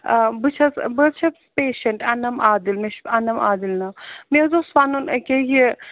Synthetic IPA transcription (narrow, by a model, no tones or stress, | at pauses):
bɨt͡ʃʰɐsbɐt͡ʃʰɐ | peːʃɐɳʈɐnɐmaːd̪ilmeʃɐnɐmaːd̪ilnɐmezosʋaːnunɐkʲeji